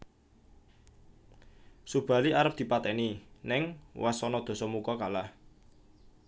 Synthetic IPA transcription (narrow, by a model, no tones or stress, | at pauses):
sub̥a̤liʔaɾəp̚d̪̥i̤pat̪ɛninɪŋwasɔnɔd̪̥o̤sɔmukɔkalah